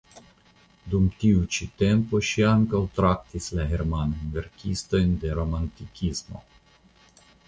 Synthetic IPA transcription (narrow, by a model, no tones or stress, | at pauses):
dumtiut͡ʃite̞mpo̞ʃiaŋkawt̪ɾak̚t̪islahe̞ɾmanojnve̞ɾkʲist̪o̞jnde̞ɾo̞mantikʲismo̞̰